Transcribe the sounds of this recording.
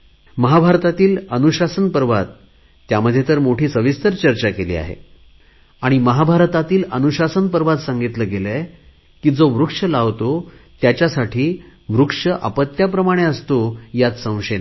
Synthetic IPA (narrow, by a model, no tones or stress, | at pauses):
məɦabʱaɾt̪at̪iːlənuɕasənpəɾʋat̪ː | jaməd̪ʱːjet̪əɾmoʈʰiːsəʋist̪əɾt͡ɕəɾt͡ɕakelḭːa̰ɦḛ | aɽ̃iməɦabʱaɾt̪at̪iːlənuɕasənpəɾʋat̪sãŋɡit̪ləɡelə | kiːd͡zoʋɾukʂəlaʋt̪ot̪jat͡ɕjasaʈʰiːʋɾukʂəʔa̰pət̪jap̬ɾəmaɽ̃eəst̪ojat͡s̪sə̃w̃ɕena